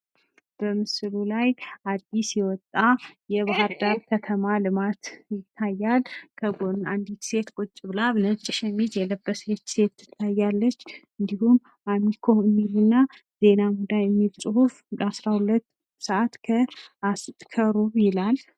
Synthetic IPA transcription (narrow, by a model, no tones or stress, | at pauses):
b̥əmɨsɨlulajad̪isjɛwɔt̪ʼːajɛβaɦɨɾd̪aɾkʰət̪ʰəmalɨmat̪jɪt̪ʰːajːalkʰəɡonand̪it̪se̞t̪kʼut͡ʃʼːɨβlaβnət͡ʃʼːɪʃɛmid͡ʒjɛləbːəset̪se̞t̪ːɨ̥t̪ʰːajːalːət͡ʃːɨnd̪ihum | ʔamikʰoɨmːiɾunːa | ze̞namud̪ajɛmːilsʼɨhufd̪asɾahulət̪ː | səʔat̪kʰəast̪ʼkʰəɾuβjɪlal